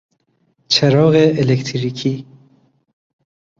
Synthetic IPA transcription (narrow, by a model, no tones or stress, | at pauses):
t͡ʃʰeɾɔːɣeːlekt̪ʰɾikʰiː